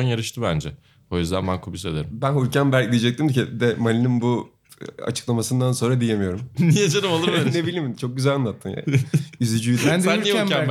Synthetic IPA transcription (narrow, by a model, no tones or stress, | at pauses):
njaɾɯʃt̪ʰɯbænd͡ʒɛ | o̞jyzd̪ænbænkʰubise̞d̪eɾimbænhuɾcænbæɾʲc̚d̪ʲijd͡ʒɛc̚t̪imd̪ycid̪ɛmalʲininbu | a̰t͡ʃʰɯ̥klˠamasɯnd̪anso̞nɾad̪ije̞mijo̞ɾumnijad͡ʒanɯmalˠɯɾnebilʲimt͡ʃʰo̞k̚ɟyzælʲanˠat̪ʰːɯmja̰yzyd͡ʒyjd̪sænːiæ